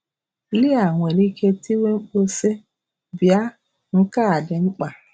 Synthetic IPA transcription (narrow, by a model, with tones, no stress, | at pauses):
li˦a˨ŋʷ˨e˨li˦kʰe˧ti˦we˦ŋ͡m̩˦k͡po˦se˦ | bi˨a˦ | ŋ̩˦ka˦a˨dɛ˨ŋ͡m̩˦k͡pa˨